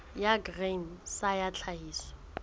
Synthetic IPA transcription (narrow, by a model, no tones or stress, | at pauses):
jaɡrensajat͡ɬʰaɦiːsɔ̥